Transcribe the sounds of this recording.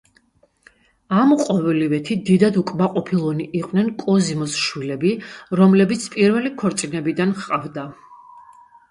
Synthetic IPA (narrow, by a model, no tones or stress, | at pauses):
amqʼɔvɛlivɛt̪ʰid̪id̪ad̪ukʼmaqʼɔpʰilˠɔniʔːqʼnɛnkʼɔzimɔsʃwilɛbiɾɔmlɛbit̪sʰpʼiɾvɛlikʰɔɾt̪sʼinɛbid̪anχqʼavd̪a